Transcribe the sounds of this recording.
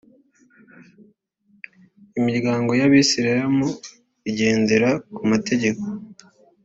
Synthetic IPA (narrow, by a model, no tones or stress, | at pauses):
imiɾɡaːŋɡo̞jaβisiɾaɾamo | iɟe̞ːndeɾakumate̞ɟe̞ko̞